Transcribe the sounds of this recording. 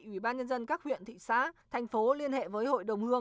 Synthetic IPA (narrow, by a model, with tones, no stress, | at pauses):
ʔwi˧˩ɓaː˧nɲə˧nzə˧nkaː˦˥k̚hwḭ˧˨ənt̪ʰḭ˧˨sa̰ː˨˧˥t̪ʰjŋ̟fo˨˦li˧ənhḛ˧˨vəː˨˦jho̰˧˨jɗə˨˩wŋ͡mhɨ˧əŋ